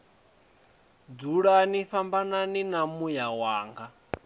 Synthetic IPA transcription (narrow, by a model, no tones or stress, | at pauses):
d͡zuɺaniɸambananinamujawaːŋɡa